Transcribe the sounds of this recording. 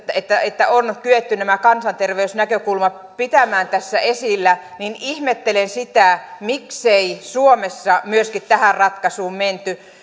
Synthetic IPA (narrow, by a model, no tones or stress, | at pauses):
et̪ːæet̪ːæonkyet̪ːynæmækɑnsɑnt̪erʋeysnækøkulmɑ | pit̪æmæːnt̪æsːæ̰esilːæninihmet̪ːelensit̪æmikseisuomesːɑmyøskit̪t̪æhærrɑt̪kɑsuːmment̪y